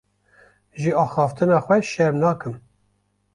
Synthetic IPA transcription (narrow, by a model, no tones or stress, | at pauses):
ʒɨɑːxɑːft̪ɨnɑːxʷɛʃɛɾmnɑːkɨm